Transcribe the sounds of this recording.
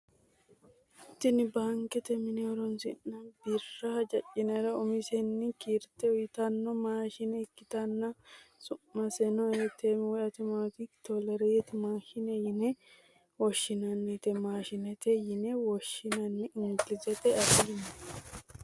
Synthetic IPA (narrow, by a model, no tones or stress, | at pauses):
ɪt̪ːɪnɪbaːŋkːɛt̪ɛmɪnɛɔɾɔnsɪnːɐbirːɐɐd͡ʒɐt͡ʃʼːɪnɛɾɐʊmɪsɛnːɪkiːɾt̪ːɛʊjɪt̪ɐnːɔmaːʃɪnɛɪkːɪt̪ɐnːɐsʊmːɐsɛnɔet̪ɛmwɔɐt̪ɪmot̪ikt̪ɔlɛɾɛjɛt̪ɪmaːʃɪnɛjɪnɛ | wɔʃːɪnɐnːɛt̪ɛmaːʃɪnɛt̪ɛjɪnɛwɔʃːɪnɐnːɛɪŋɡɪzɛt̪ɛɐfɪlɪnɐ